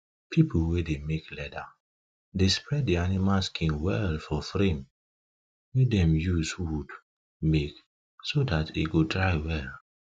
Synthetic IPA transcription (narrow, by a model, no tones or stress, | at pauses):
pʰipʰlwedemeklɛda | despɹɛt̚dianimalskʰĩnwɛlfɔfɹẽm | wedɛ̃mjuswud | mek | sodatḛɡodɹaɪwɛl